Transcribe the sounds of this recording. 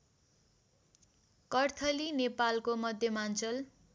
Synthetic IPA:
kʌrt̪ʰʌlinepalkomʌd̪ʱjʌmant͡sʌl

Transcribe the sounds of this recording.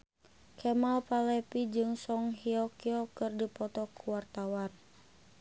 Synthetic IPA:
kʰɛmalpalɛpid͡ʒɨŋsɔŋɦiɔkiɔkɨrdipɔt̪ɔkʰuwart̪awan

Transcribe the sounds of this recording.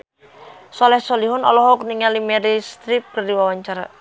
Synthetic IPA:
sɔlɛhsɔliɦʊnɔ̰lɔɦɔk̚niŋalimɛɾist̪ɾip̚kərdiwawaɲt͡ʃaɾa̰

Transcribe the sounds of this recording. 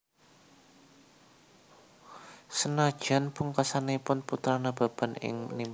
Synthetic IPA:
sənad̥ʒ̥a̤npuŋkasanepʊnput̪ɾanab̥a̤b̥a̤nɪ̰ŋmənim

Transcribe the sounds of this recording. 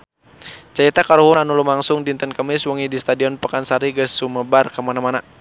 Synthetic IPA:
t͡ʃait̪akaɾuɦʊnanulumaŋsʊŋdint̪ənkəmiswɔŋidist̪adiɔnpakansaɾiɡəsːuməbarkəmanamana

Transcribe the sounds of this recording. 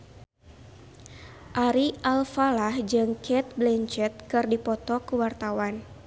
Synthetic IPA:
ʔaɾialfalahd͡ʒɨŋkʰɛt̪̚blɛɲt͡ʃɛt̪̚kɨrdipɔt̪ɔkuwart̪awan

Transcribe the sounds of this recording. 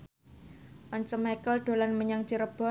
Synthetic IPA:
ʔɔɲt͡ʃɔmakəlɖ̪̥o̤lanməɲaŋt͡ʃiɾəb̥ɔ

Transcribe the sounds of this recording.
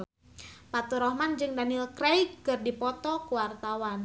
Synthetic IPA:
pat̪uɾɔhmand͡ʒɨŋdanilkɾejɡkɨrdipɔt̪ɔkuwart̪awan

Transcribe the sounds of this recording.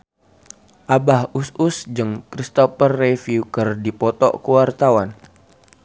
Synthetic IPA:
ʔabahususd͡ʒɨŋkɾist̪ɔpərːefiukərdipɔt̪ɔ̰ʔkuwart̪awan

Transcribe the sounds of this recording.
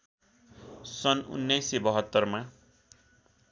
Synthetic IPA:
sʌnṵnːajsibʌɦʌt̪ːʌrma

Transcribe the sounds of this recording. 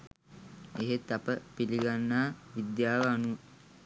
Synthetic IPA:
eɦet̪apəpiliɡanːaːʋid̪jaːʋəanuə

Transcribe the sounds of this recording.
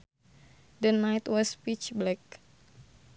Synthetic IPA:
dənajt̪wɔspit͡ʃblɛk̚

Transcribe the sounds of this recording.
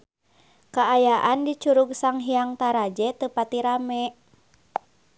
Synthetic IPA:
kaːjaʔandit͡ʃuɾuɡ̚saŋɦiaŋt̪aɾad͡ʒɛt̪əpat̪iɾamɛ

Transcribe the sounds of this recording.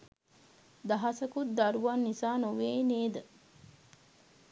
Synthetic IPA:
d̪ɐɦɐsəkut̪̚d̪ɐɾuʋanːisaːnoʋeːneːd̪ə

